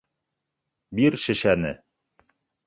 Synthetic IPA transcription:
biɾʃɘ̆ʃænɘ̰

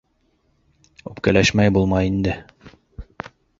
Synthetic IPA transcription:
ʉpkælæʃmæjbulˠmɑjind̪ɘ

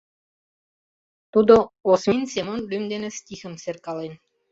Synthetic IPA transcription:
t̪ud̪ŏosminsemonlymd̪enĕst̪ʲixə̆mserkɑlen

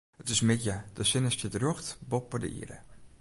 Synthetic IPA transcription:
ətɪsmɪtjəd̥əsɪnəstədrjoxtbɔpːədə̰ʔḭɾə̰

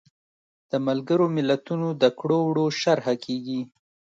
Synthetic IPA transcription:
d̪̥əmalɡəɾomɪlat̪unod̪əkɽowɽoʃaɾhakʰeɡi

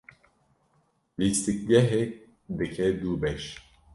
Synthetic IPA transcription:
list̪ik̚ɡɛɦɛk̚ | d̪ɨkʰɛd̪ubɛʃ

